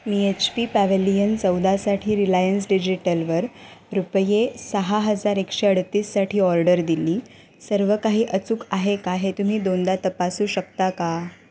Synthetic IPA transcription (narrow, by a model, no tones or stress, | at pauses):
miet͡ɕpiːpæʋelijənt͡səwd̪asaʈʰiːɾilajəns̬ɖid͡ʑiʈəlʋəɾɾupəjesəɦaɦəd͡zaɾekʂeəɽt̪iːssaʈʰiːɔɾɖəɾd̪iliː | səɾʋəkaɦiːʔət͡sukaɦekaɦet̪um̤iːd̪ond̪at̪əpasuːɕəkt̪aka